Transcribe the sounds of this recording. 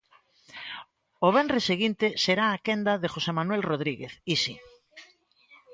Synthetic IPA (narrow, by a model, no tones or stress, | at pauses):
oβ̞ɛnreseɣint̪eseɾaːkend̪aðexosemanwɛlroð̞ɾiɣeθisi